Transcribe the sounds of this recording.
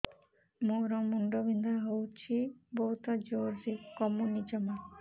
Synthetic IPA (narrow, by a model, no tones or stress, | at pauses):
moɾɔmuɳɖobind̪aɦowt͡ʃʰibɔɦut̪ɔd͡ʒoɾd͡ʒikɔmonid͡ʒɔma